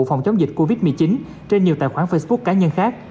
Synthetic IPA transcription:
fa˨˩wŋ͡mt͡ɕa˨˦wŋ͡mzi˨˩k̚ko˧vi˦˥t̚mɨ˨˩əjt͡ɕi˨˦n | t͡ɕe˧nɲ˨˩wt̪a̰ː˧˨jxwaː˧˩nfə˧sɓu˦˥k̚kaː˨˦ɲə˧nxaː˦˥k̚

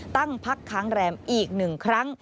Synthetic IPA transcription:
t̪a˥˩ŋpʰa˦˥kʰːaː˦˥ŋɾɛː˧mʔiː˨˩k̚nɯ˨˩ŋkʰɾa˦˥ŋ

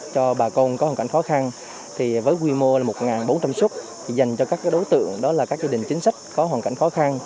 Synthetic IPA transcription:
t͡ɕɔ˧ɓaː˨˩ko˧nkɔ˨˦waː˨˩ka˧˩ŋxɔ˨˦xa˧n | t̪ʰi˨˩vəː˨˦jkwi˧mo˧laː˨˩mo˨˩t̚ŋaː˨˩nɓo˨˦nt͡ɕa˧mswət̚ | t̪ʰi˨˩za˨˩jŋ̟t͡ɕɔ˧kaː˦˥kaː˨˦ɗo˨˦wt̪ɨ̰˧˨əŋɗɔ˨˦laː˨˩kaː˦˥k̚zaː˧ɗï˨˩ŋ̟t͡ɕi˨˦ŋ̟sa˦˥jk̟̚kɔ˨˦ɦwaː˨˩nka̰˧˨jŋxɔ˨˦xa˧n

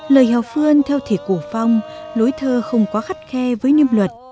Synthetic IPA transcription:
ləː˨˩jɦaː˨˩w̚fɨ˧ənt̪ʰɛ˧wt̪ʰi˧˨˩ku˧˩fa˧wŋ͡mlu˨˦jt̪ʰəː˧xə˧wŋ͡mkɔ˨˦xa˦˥k̟̚xɛ˧vəː˨˦jni˧əmlwə˨˩t̚

